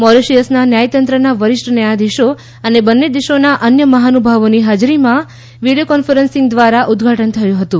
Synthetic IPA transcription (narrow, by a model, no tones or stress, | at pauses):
mɔɾeʃijəsnanjajt̪ənt̪ɾənaʋəɾɪʃʈʰənəjad̪iʃo | ənebənːed̪iʃonaʔənjəməɦanubʱaʋoniɦad͡ʒɾimã | ʋiɽijokɔnfəɾənsɪ̃ŋɡd̪ʋaɾaʔud̪ɡʱaʈənt̪ʰəjũɦət̪ũ